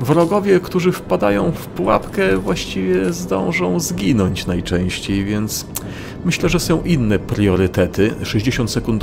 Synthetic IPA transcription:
vɾɔɡɔvʲjɛkt̪uʐɘfpad̪a̰jɔ̃w̃fpuwa̰pkɛvwaɕt͡ɕivʲjɛzd̪ɔ̰̃w̃ʐɔ̃w̃zɡʲinɔɲt͡ɕnajt͡ʂɛ̃w̃ɕt͡ɕejvʲjɛnt̪s | mɘɕlɛʐɛsɔ̃w̃ʔinːɛpɾʲɔɾɘt̪ɛt̪ɘʂɛʑd͡ʑeɕɔnt̪sɛkund̪

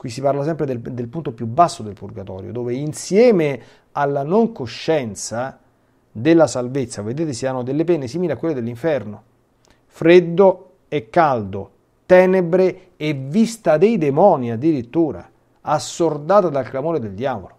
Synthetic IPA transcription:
kwisːiparlasɛmpɾed̪ed̪elpunt̪opjubːasːod̪elpurɡat̪ɔ̰ːɾjo̰d̪oːveinsjɛːme | alːanoŋkoʃːɛnt̪sa | d̪elːasalvet̪sːaved̪eːt̪esianːod̪elːepɛnːesiːmiliakwelːed̪elːiɱfɛrno | fɾed̪ːo | ekːald̪o | t̪ɛːnebɾe | evist̪ad̪ejd̪emɔːniad̪ːiɾit̪ːuːɾa̰ | asːord̪aːt̪ad̪alklamoːɾed̪eld̪jaːvolo

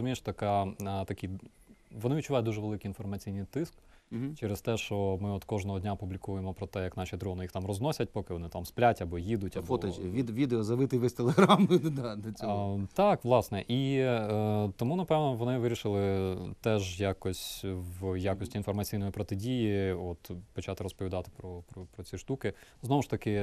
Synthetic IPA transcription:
zʊmʲijʃt̪t̪ɐkɑt̪ɐkʲij | ʋɔnɪit̚ʲt͡ʃːʊʋɑjɛd̪uʐɛʋelˠɪkiinfɔrmɐt͡sʲijnɨjt̪ɪsk | t͡ʃɛɾest̪ɛʃt͡ʃɔmɪɔt̪kɔʒnɔɦɔd̪ʲnʲapublʲikujemɔpɾɔt̪ɛjɐknɑʃʲid̪ɾɔnɪjixt̪ɑmrɔznɔsʲɐt̚ʲpɔkɪʋɔnɪt̪ɑmsplʲatʲɐbɔjid̪ʊtʲɐfot̪ɔʋʲiʋʲid̪eɔzɐʋɪt̪ɪʋɛsʲt̪elˠeɦɾamɪd̪ɑd̪ɐt͡sʲt̪ɑkʋlˠɑsnɛʔi | t̪ɔmunɐpɛʋnɔʋɔnɪʋɪɾʲiʃɪlˠɪt̪ɛʒjakɔsʲʋjakɔsʲtʲiːnfɔrmɐt͡sʲijnɔjipɾɔt̪ɪdʲijiɔt̪pɔt͡ʃɑt̪ɪɾɔspɔʋʲid̪ɑt̪ɪ̥pɾɔpɾɔpɾɔt͡sʲiʃt̪ukɪznɔʋʊʃt̪ɐkɪ

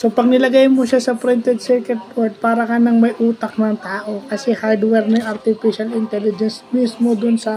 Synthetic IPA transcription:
so̞pɐɡ̚nɪlɐɡajmoʃasɐpɾɪnt̪ɛd̪̚sɛkɛt̪̚poɹt̪̚paːɾɐkɐnɐŋmɐjʔuːt̪ɐk̚nɐŋt̪aːʔo̞kɐsɛhaɹd̪wɛɾnɐjʔɐɾt̪ɪfiʃɐlɪnt̪ɛlɪd͡ʒɛnsmismod̪ʊnsɐ

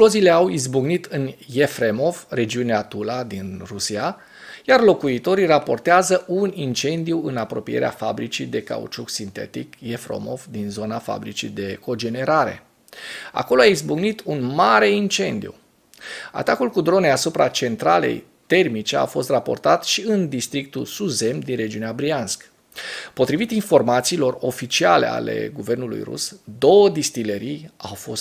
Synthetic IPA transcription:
lo̞zile̞awizbuɡnit̪ɨnjefɾemo̞vre̞d͡ʒiuneat̪ulad̪inrusia | jarlo̞kuit̪o̞ɾirapo̞rt̪eazəʔunint͡ʃe̞nd̪iuɨnapɾo̞pije̞ɾea̰fabɾit͡ʃid̪e̞ka̰ṵt͡ʃuksint̪e̞̰t̪ikje̞fɾo̰mo̞vd̪inzo̞nafa̰bɾit͡ʃid̪e̞ko̞d͡ʒe̞ne̞ɾaɾe̞̰ | a̰ko̞loaizbuɡnit̪unmaɾe̞int͡ʃe̞nd̪ijṵ | a̰t̪akulkud̪ɾo̞ne̞asupɾat͡ʃe̞nt̪ɾale̞̰j | t̪e̞rmit͡ʃe̞a̰fo̞st̪rapo̞̰rt̪at̪ʃiɨnd̪ist̪ɾik̚t̪usuze̞md̪inre̞d͡ʒiuneabɾianskə̥ | po̞t̪ɾivit̪info̞rmat̪siːlo̞ro̞fit͡ʃiale̞̰a̰le̞̰ɡuve̞rnulṵjrṵsd̪o̞wəd̪ist̪iləɾijawfo̞st̪

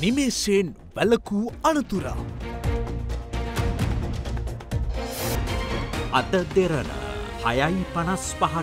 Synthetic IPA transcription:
nimeːseːn | ʋæləkuːanət̪uɾa̰ | ad̪əd̪eɾənə̰ | ha̰jajpanaspaɦa

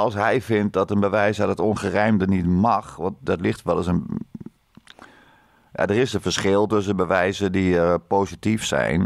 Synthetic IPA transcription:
ɔlˠsɦɛjfɪnt̚dɔtənbəʋɛjsadɔtonɣərɛjmdənitmɑxʋɔnt̚dɔtlɪxtʋɛlˠəsən | ja̰dərɪsənfəɹsxɪlˠtøs̬ənbəʋɛjzədipoːsitifsɛ̰jn

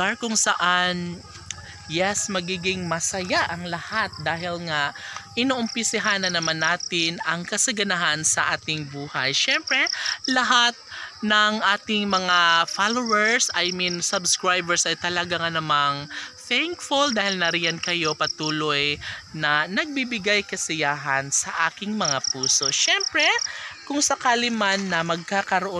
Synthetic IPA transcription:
akʊŋsɐʔan | jɛsmɐɡiːɡɪŋmɐsɐjaʔɐŋlɐhat̪̚d̪aːɦɪlŋaʔɪnoʔʊmpɪsɪɦanɐnɐmanːaːt̪ɪnɐŋkɐsɐɡɐnɐɦansɐʔaːt̪ɪŋbuːhɐ̰jʃɛmpɾɛlɐɦat̪̚nɐŋʔaːt̪ɪŋmɐŋafalowɛɹsɐjminsɐbskɹajbɛɹsɐjt̪ɐlɐɡaŋɐnɐmaŋθɛŋkfʊld̪aːhɪlnɐɾɪjɐnkɐjo̞pɐt̪uːlojnɐnɐɡ̚bibɪɡajkɐsɪjaːɦɐnsɐʔaːkɪŋmɐŋapuːso̞ʃɛmpɾɛkʊŋsɐkaːlɪmanːɐmɐɡ̚kaːkɐɾoʔo

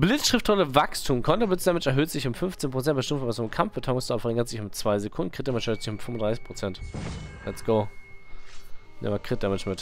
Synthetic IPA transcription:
b̥lɪt͡sʃʁ̥ɪftɔləvakstʰuːmkʰɔntɐblɪt͡sd̥ɛmɪt͡ʃɛɐɦøːtz̥ɪçʊmfʏnft͡seːnpʁ̥ot͡sɛntbəʃtɪmtfɔvasʊmkʰamfb̥ətʰaʊʊŋstafɛʁɪŋɐtz̥ɪçʊmt͡sv̥aɪzekʰʊndn̩kʁ̥ɪt̚d̥ɛmɛt͡ʃːtz̥ɪçʊmfʏmʊndʁaɪsɪçpʰʁ̥ot͡sɛntlɛtsɡ̥oʊ | nʔɛ̰mɐkʁ̥ɪt̚d̥ɛmɛt͡ʃmɪt

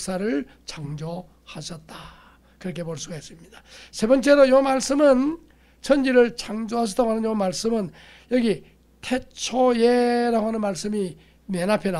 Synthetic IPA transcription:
s͈aɾɯɭ | t͡ɕaŋd͡ʑʌ | haɕʰʌt̚t͈a | kɯɾʌkʰe̞poɭs͈uɡaɦes͈ɯmɲid̥ḁsʰe̞bʌnt͡ɕ͈e̞ɾojomaɭs͈ɯmɯn | t͡ɕʰʌnd͡ʑiɾɯɭt͡ɕaŋd͡ʑoɦaɕ̬ʰʌt͈aoɦanɯnjonmaɭs͈ɯmɯn | jʌɡi | tʰe̞t͡ɕʰojeɾaɡoɦanɯnmaɭs͈ɯmi | menapʰena

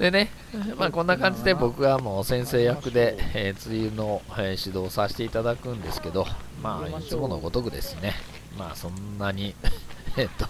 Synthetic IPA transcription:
d̪̥e̞ne̞ | maːkõ̞nːakãɲ̟d͡ʑid̪e̞bo̞kɯ̟ɡamosẽ̞ɰ̃se̞ːjakɯ̟d̪e̞t͡sɨjɯno̞eɕid̪o̞ːsaɕi̥t̪e̞it̪ad̪akɯ̟̃nd̪e̞sɨ̥ke̞d̪o̞ | maːit͡sɨmo̞no̞̰ɡo̞t̪o̞kɯ̟d̪e̞̰sɨne̞ | ma̰ːsõ̞nːaɲ̟i | t̪ːo

